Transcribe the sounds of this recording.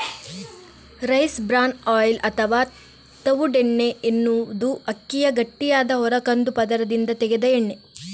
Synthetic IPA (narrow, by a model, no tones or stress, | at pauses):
ɾɐjsbɾaːnaːjlɐt̪ʰɐʋaː | t̪ɐʋuɖeɳːeʔenːud̪uɐkːijɐɡɐʈːijaːd̪ɐɦɔɾɐkɐnd̪upɐd̪ɐɾɐd̪ind̪ɐt̪ɛɡed̪ɐeɳːe